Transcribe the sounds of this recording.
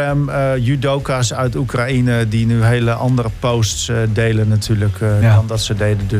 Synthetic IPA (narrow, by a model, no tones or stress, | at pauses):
ɛmjydowkasœɥtukrainədinyɦejləʔɑndərəpowstsdejlənːatʰyːləkɔndɔtsədejdəd